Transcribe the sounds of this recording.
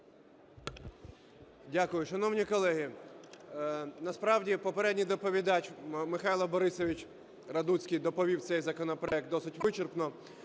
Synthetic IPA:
dʲakʊjʊʃɐnɔwnʲikɔlˠɛɦɪ | nɐspɾɑwdʲipɔpeɾɛdʲnʲijd̪ɔpɔʋʲid̪ɑt͡ʃʲmɪxɑjlˠɐbɔɾɪsɔʋʲit͡ʃʲ | rɐd̪ut͡sʲkʲijd̪ɔpɔʋʲiw̪sɛjzɐkɔnɔpɾɔɛk̪̚ɔsɪtʲʋɪt͡ʃɪrpnɔ

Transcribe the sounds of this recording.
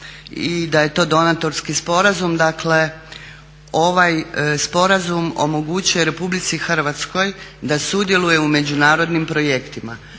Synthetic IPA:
id̪aje̞t̪o̞ːd̪o̞nat̪o̞ɾskispo̞ɾazumd̪akle̞ | o̞ʋajspo̞ɾazumo̞̰mo̞ɡut͡ɕujeɾe̞publit̪sixr̩ʋat̪sko̞jd̪asud̪je̞luje̞ume̞d͡ʑunaːɾo̞d̪nimpɾo̞jekt̪ima

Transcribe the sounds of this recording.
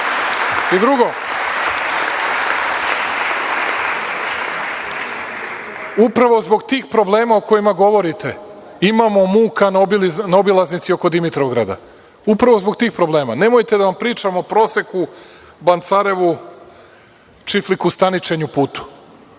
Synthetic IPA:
id̪ɾuɡo̞ | upɾaʋo̞zbo̞ɡt̪iːxpɾo̞ble̞ːmaoko̞jimaɡo̞ʋo̞ɾit̪e̞ | imamo̞muːkanobilnaobilˠaznit̪sio̞ko̞d̪imit̪ɾovɡɾad̪a̰ | upɾaʋo̞zbo̞ɡ̚t̪iːxpɾo̞blˠe̞ːmane̞mo̞jt̪ed̪aʋampɾiːt͡ʃamopɾo̞ːse̞ku | bant̪saɾe̞ʋu | t͡ʃiflikust̪anit͡ʃe̞ɲupuːt̪u̥

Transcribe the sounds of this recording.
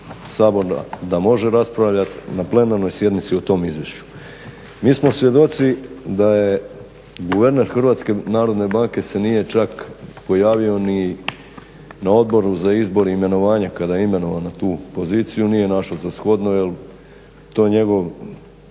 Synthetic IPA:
saːbo̞ɾa̰d̪amo̞ʒeɾaspɾaʋʎat̪naple̞naɾno̞jsje̞d̪nit̪siot̪o̞ːmizʋje̞ʃt͡ɕu̥ | miːsmo̞sʋje̞d̪o̞t̪sid̪aje̞ | ɡuʋe̞ɾne̞ɾxr̩ʋaːt̪ske̞naːɾo̞d̪ne̞baːŋke̞se̞nije̞t͡ʃakpo̞jaːʋio̞ni | nao̞d̪bo̞ɾuzaizbo̞ɾeime̞no̞ʋaːɲakad̪ajime̞no̞ʋanat̪uːpo̞ziːt̪sijunije̞naʃlozasxo̞d̪nojel | t̪o̞ːjeɲe̞ɡo̞ʋ

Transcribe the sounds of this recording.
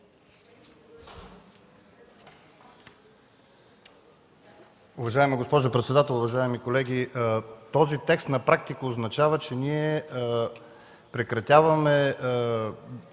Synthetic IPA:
ʊvɐʒaɛməɡospɔʒʊpɾɛt̪sɛd̪at̪ɛlˠʊvɐʒaɛmikolɛɡʲit̪ɔzit̪ɛkst̪nɐpɾak̚t̪ikəoznɐt͡ʃavət͡ʃɛnʲiɛ | pɾɛkɾɐt̪ʲjavɐmɛ

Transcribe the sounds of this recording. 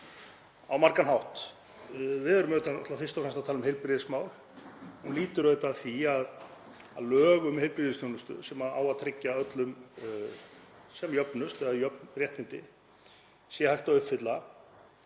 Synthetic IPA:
awmaɾkanɦawht̪ | vɪðɛɾʏmœt̪anaht̪lafɪrst̪afɾɛmst̪awt̪ʰaːlʏmhejlpɾɪðɪsmaːwl | hunliːt̪ʏɾœɥt̪aθiað | ðlœːɣʏmhejlpɾɪðɪst̪ʰownʏst̪ʏ̰sɛmaa̰ːwaðt̪ʰɾɪcːaœt̪lʏm | sɛmjœpnʏst̪ɛðajœpnrjɛht̪nɪnt̪ɪ̰ | sjɛhajht̪aʏhpfɪt̪la

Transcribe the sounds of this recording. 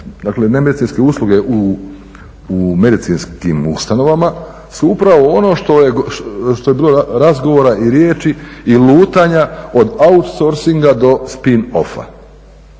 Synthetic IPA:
d̪akle̞nemed̪it̪inske̞uːslˠuɡe̞ʔu | ume̞d̪it̪sinskimṵst̪ano̞ʋama | suupɾaʋo̞ono̞ʃt̪ojeʃt̪ojebiːlo̞ɾazɡoʋo̞ːɾaʔiɾjeːt͡ʃiːluːt̪aɲao̞d̪aut̪soɾsiŋɡad̪o̞spino̞̰fa̰

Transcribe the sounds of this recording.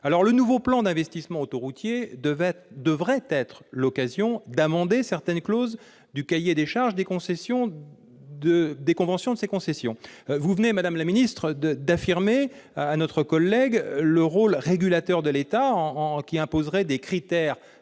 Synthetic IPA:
alɔʁlənuvoplɑ̃d̪ɛ̃vɛst̪ismɑ̃ot̪oʁut̪jed̪vɛd̪əvʁɛt̪ɛt̪χəlɔkazjɔ̃d̪amɑ̃d̪esɛʁt̪ɛnkloz | d̪ykajed̪eʃaʁʒd̪ekɔ̃sɛsjɔ̃ | d̪əd̪ekɔ̃vɑ̃sjɔ̃d̪əsekɔ̃sɛsjɔ̃vuvənemad̪amlaminist̪χəd̪d̪afiʁme | anɔt̪χəkɔlːɛɡləʁolʁeɡʲylat̪œʁd̪əlet̪ãkʲiɛ̃pozʁɛd̪ekχit̪ɛʁ

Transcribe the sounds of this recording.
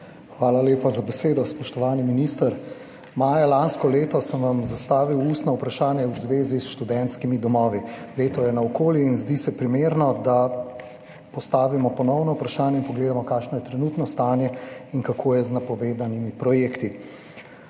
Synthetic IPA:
xʋaːlaleːpazabɛseːd̪ɔspɔʃt̪ɔʋaːniminist̪əɾ | maːjalanskɔleːt̪ɔsəmʋamzast̪aːʋiwuːst̪nɔupɾaʃaːnjɛuzʋeːzisʃt̪ud̪ɛnt̪skimid̪ɔmɔːʋileːt̪ɔjɛnaɔkoːljiːnzd̪isɛpɾimeːɾnɔd̪a | pɔst̪aːʋimɔpɔnɔwnɔupɾaʃaːnjɛinpɔɡleːd̪amɔkaːʃnɔjɛt̪ɾɛnuːt̪nɔst̪aːnjɛiŋkakʰoːjɛznapɔʋeːd̪animipɾɔjeːkt̪i

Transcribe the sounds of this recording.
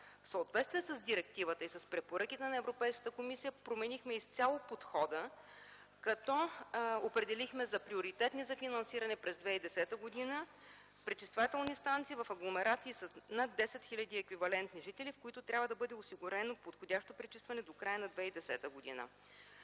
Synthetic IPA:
fsəot̪vɛt̪st̪vʲiɛsəzd̪iɾɛk̚t̪ivət̪əisɐspɾɛpoɾɤkit̪ɛnɐɛvɾopɛjskə̥t̪əkomisijəpɾomɛnixmɛist̪sʲjalˠopot̪xɔd̪ə | kɐt̪ɔopɾɛd̪ɛlixmɛzɐpɾioɾit̪ɛt̪nizɐfinɐnsiɾɐnɛpɾɛzd̪vɛid̪ɛsɛt̪əɡod̪inə | pɾɛt͡ʃist̪vat̪ɛlˠnist̪ant̪siːvɐfɐɡlˠomɛɾat̪siːsənad̪ːɛsɛt̪xilʲɐd̪iɛkvivɐlɛnt̪niʒit̪ɛlʲifkoit̪ʊt̪ɾʲabvəd̪ɐbɤd̪ɛosiɡʊɾɛnopot̪xodʲaʃt̪opɾɛt͡ʃist̪vɐnɛd̪okɾajənɐd̪vɛid̪ɛsɛt̪əɡod̪ḭnə̰

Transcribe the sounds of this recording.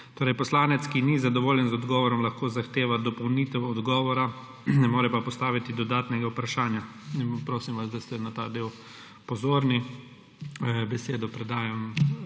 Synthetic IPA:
t̪oːɾɛjpɔslaːnɛt̪skinizad̪ɔʋoːljɛnzɔd̪ɡɔːʋɔɾɔmlaxkoːzaxt̪eːʋad̪ɔpɔwnit̪ɛwɔd̪ɡɔːʋɔɾa | nɛmoːɾɛpapɔst̪aːʋit̪id̪ɔd̪aːt̪nɛɡaupɾaʃaːnja | inpɾoːsimʋasd̪ast̪ɛnat̪aːd̪eːw | pɔzoːɾni | bɛseːd̪ɔpɾɛd̪aːjam

